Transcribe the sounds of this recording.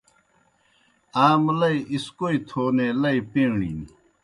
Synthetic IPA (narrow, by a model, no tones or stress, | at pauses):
aːmlɐiʔiskoit̪ʰoːneːlɐipẽːɳḭːn